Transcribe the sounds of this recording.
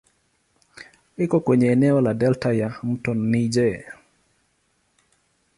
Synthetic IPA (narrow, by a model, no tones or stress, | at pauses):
ɪkɔkweɲeːnɛɔladɛltajam̩tɔnːid͡ʒe